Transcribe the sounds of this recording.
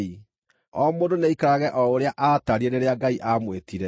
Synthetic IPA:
i | ɔmoːdoneikaɾaɣɛʔɔoɾeaʔataɾieɾeɾeaɡaiʔamwetiɾɛ

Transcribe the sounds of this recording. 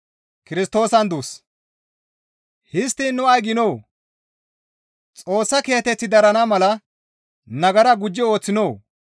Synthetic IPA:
kɪɾɪst̪ːo̞ːsɐnd̪us | hɪst̪ːɪnːʊɐjɡɪno̞ː | t͡sʼo̞ːsːɐke̞ːt̪ɛt͡sːɪd̪ɐɾɐnɐmɐlɐ | nɐɡɐɾɐɡʊd͡ʒːɪo̞ːt͡sːɪno̞ː

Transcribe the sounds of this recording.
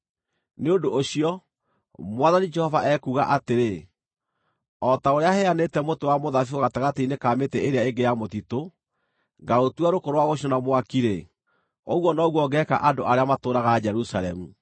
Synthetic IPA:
neondoʔːɕiɔ | mwaðanid͡ʒɛhɔvaʔɛkuɣaʔateɾe | ɔtaoɾeahɛanetɛmotowamoðafioɣataɣateinekaːmetɛeɾeaeɡejamotito | ŋɡaɾotuaɾokoɾowaɣoɕɔnamwakiɾe | oɣwɔnɔːɣwɔɡɛka̰ʔandoʔaɾeamatoːɾaɣad͡ʒɛɾusalɛmu

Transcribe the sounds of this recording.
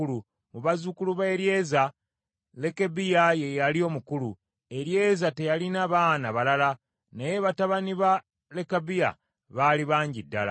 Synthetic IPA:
ulu | muβazukuluβeːɾje̞za | le̞kebijaje̞jalio̞ːmukulu | e̞ɾje̞ːzate̞jalinaβaːnaβalala | nejeβataβaniβa | le̞kabija̰ | βaliβaːɲɟidːa̰la̰

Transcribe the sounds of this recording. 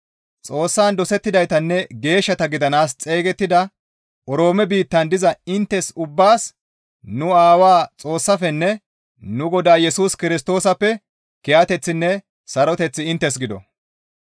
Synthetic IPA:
t͡sʼo̞ːsːaːnd̪ɔsɛt̪ːɪd̪ɐjt̪ɐnːɛɡe̞ːʃːɐt̪ɐɡɪd̪ɐnaːst͡sʼeːɡɛt̪ːɪd̪ɐ | ʔɔɾo̞ːmɛbiːt̪ːɐnd̪ɪzɐɪnt̪ːɛsʊbːaːs | nʊaːwaːt͡sʼo̞ːsːɐfɛnːɛ | nʊɡɔd̪aːjɛsuːskɪɾɪst̪o̞ːsɐpːɛ | kɪjat̪ɛt͡sːɪnːɛ | sɐɾɔt̪ɛt͡sːɪɪnt̪ːɛsɡɪd̪ɔ̰

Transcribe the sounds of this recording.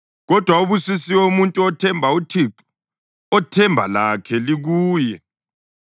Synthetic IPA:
ɣɔd̥ʱwauβusisiwomuntʼuɔtʰɛmbʱautʰip | ɔtʰɛmbʱa̰lakʰɛliɣuːjɛ

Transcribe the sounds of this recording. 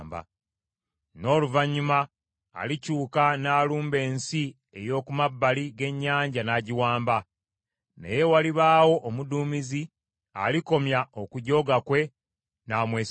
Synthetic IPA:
mba̰ | no̞ːluvaɲːuma̰ː | licuːkanaːluːmbe̞ːnsi | e̞jo̞ːkumabːaliɡe̞ɲːaːɲɟanaːɟiwaːmba | nḛje̞waliβaːwo̞ʔːmuduːmizi | a̰liko̞mjao̞kuɟo̞ːɡakwe̞ | naːmweːs

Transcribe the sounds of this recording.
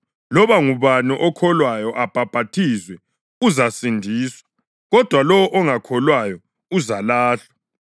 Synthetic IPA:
lɔβaŋuβaniʔɔkʰɔlwajɔʔab̥ʱab̥ʱatʰizwɛ | uzasindʱiːswḁ | ɣɔd̥ʱwalɔwɔʔɔŋakʰɔlwajɔ | uzalaːɬḁ

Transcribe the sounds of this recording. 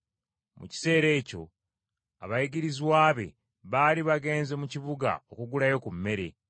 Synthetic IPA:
mṵci̥se̞ːɾe̞ːco̞̰ | a̰βajiɡiɾiziwaːβe̞̰ | βaːliβaɡe̞ːnze̞muciβuɡa̰okuɡulajo̞kumːe̞ɾe̞

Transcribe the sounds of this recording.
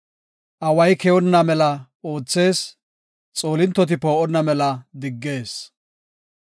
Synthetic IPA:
ʔɐwɐjkɛwɔnːɐmɛlɐ | oːt͡sːe̞ːs | t͡sʼoːlɪnt̪ːɔt̪̬ɪpoːʔɔnːɐmɛlɐd̪ɪɡːe̞ːs

